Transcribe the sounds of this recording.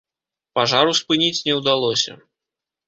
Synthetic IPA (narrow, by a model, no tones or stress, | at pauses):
paʐaɾuspɨnʲit͡sʲnʲɛwd̪alˠɔsʲɐ̰